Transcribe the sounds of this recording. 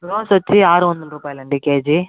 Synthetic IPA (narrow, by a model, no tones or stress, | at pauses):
õːsɔt͡ʃːiaːɾɯʋɔnd̪ɐɾuːpaːjilɐɳɖikeːd͡ʒi